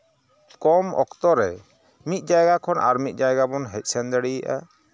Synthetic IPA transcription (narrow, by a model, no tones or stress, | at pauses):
kɔmɔ̰kt̪ɔɾɛ | mit̪̚ˀd͡ʒajɡakʰɔnʔa̰ɾmit̪̚ˀd͡ʒajɡabɔnɦɛc̚ˀsɛnd̪ɛɽijaʔa̰